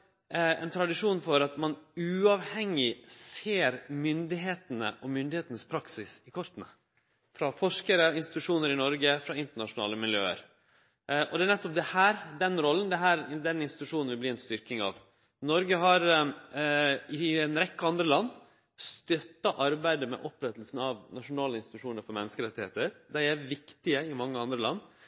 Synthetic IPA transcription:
ɛ̰nt̪ʰɾɑd̪ɪʂuːnfɔɾɑt̪mɑnʉɑʋhɛŋːɪseːɾmʏnd̪ɪɦeːt̪ənə̰ʔɔmʏnd̪ɪheːt̪ənəspʰɾɑksɪsɪkʰɔɾt̪nə̰ | fɾɑfɔʂkəɾəɪnst̪ɪt̪ʉʂuːnəɾɪnɔɾɡəfɾɑɪnt̪əɳɑʂʊnɑ̰ːləmɪljø̰ːə̰ɾ | ɔd̪ɛæɳɛt̪ːɔp̚d̪ɛhæːɾd̪ɛnɾɔlːənd̪ɛɦæːɾd̪ɛnɪnst̪ɪt̪ʉʂuːnn̩ʋɪb̪iːɛnst̪ʏɾkɪŋɑ̰ʋ | nɔɾɡəɦɑɾ | ɪɛnɾɛkːɑnd̪ɾəlɑnd̪ | st̪œt̪ːɑʔɑɾbæɪd̪əmɛ̰ʔɔpɾɛt̪əlsn̩ɑʋnɑʂʊnɑːləɪnsɪt̪ʉʂuːnəɾfɔɾmɛnːəskəɾɛt̪ːɪhḛːt̪əɾd̪æɪæʋɪkt̪ɪəɪmɑŋːəɑnd̪ɾəlɑnː

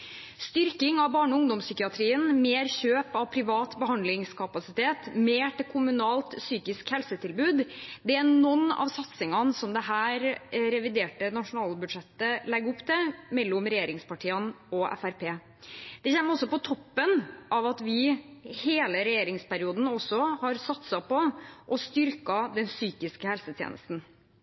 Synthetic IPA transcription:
st̪ʏɾkɪŋɑʋbɑːɳɔʊŋd̪ɔmsʏkɪɑt̪ʰɾiːənmeːɾçøːpɑʋpʰɾɪʋɑːt̪bəɦɑnd̪lɪŋskʰɑpɑsɪt̪ʰeːt̪meːʈɪkʰʊmʉnɑːlt̪syːkɪskhɛlsət̪ʰɪlbʉːd̪d̪ɛænɔnːɑ̰ʋsɑt̪sɪŋɑnsɔmd̪ɛɦæːɾɾɛʋɪd̪eːʈənɑʂʊnɑːlbʉd̪ʂɛt̪ːəlɛɡʊpːt̪ʰɛmɛlːʊmɾɛjeːɾɪŋspɑʈʰiːɑn | ɔʔɛ̰fæɾpʰeː | d̪̥ɛçɛmːɔsːɔpɔt̪ʰɔpːənʔɑʋɑt̪ʋɪheːləɾɛjeːɾɪŋspæɾɪuːd̪n̩ɔsːɔhɑɾsɑt̪sɑpɔʔɔst̪ʏɾkɑd̪ɛnsyːkɪskəhɛlsət̪ʰjḛːnə̰st̪n̩

